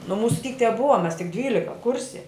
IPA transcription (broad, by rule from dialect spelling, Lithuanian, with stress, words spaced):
nʊ ˈmuːsʊ tʲiːk tʲɛˈbʊʋɐ mʲɛs tʲɪk ˈdʲʋʲiːlʲɪkɐ ˈkʊrʲsʲɛ